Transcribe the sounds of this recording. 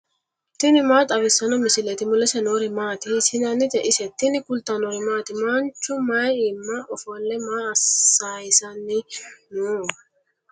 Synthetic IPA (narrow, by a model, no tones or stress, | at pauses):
t̪ɪnɪmaːt̪ʼɐβɪsːɐnɔmɪsɪlɛt̪ɪmʊlːɛsɛnoːɾɪmaːt̪ɪsɪnɐnɪt̪ɛʔɪsɛt̪ːɪnɪkʊlt̪ɐnɔɾɪmaːt̪ɪmant͡ʃːʊmɐjɪmːaʔɔfɔlːɛmaːɐsaːjɪsɐnːɪnu